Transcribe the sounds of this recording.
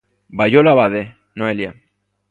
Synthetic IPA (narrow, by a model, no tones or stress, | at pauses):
bajolaβaðe | noelja